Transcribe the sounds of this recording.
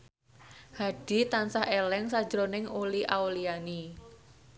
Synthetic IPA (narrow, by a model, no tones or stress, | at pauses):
haɖ̥i̤t̪ansaɦelɛŋsḁd͡ʒɾonɪŋuliʔauliani